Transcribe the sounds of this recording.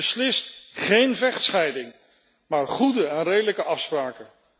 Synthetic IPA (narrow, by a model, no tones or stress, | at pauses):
əslɪstχejnvɛχtsχɛjdɪŋ | maːɹχudəɛnrejdələkəɑfspraːkə